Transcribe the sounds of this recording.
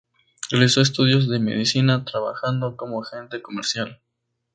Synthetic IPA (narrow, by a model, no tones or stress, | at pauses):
realiso̞es̬t̪uðjo̞zðe̞me̞̰ð̞isinat̪ɾaβa̰xand̪o̞ko̞moxe̞nt̪e̞ko̞me̞ɾsjal